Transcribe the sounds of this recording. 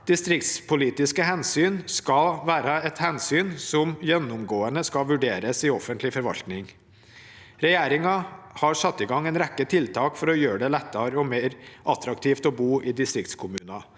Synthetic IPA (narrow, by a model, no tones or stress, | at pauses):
d̪̥ɪst̪ɾɪkt̪spʰʊliːt̪ɪskəɦɛnsyːnskɑlʋæːɾɑɛt̪hɛnsyːnsɔmjɛnːʊmɡoːənəskɑʋʉɖeːɾəsɪɔfənt̪lɪfɔɾʋɑ̰lt̪nɪŋ | ɾɛjeːɾɪŋɑhɑɾʂɑt̪ːɪɡɑŋːɛːnɾɛkːət̪ʰɪlt̪ʰɑːkfɔɾɔjøːɖɛlɛt̪ːɑɾəɔmeːɾʔɑt̪ɾɑkt̪ʰiːft̪ɔbuːʔɪːd̪ɪst̪ɾɪkt̪skʰʊmʉːnɑ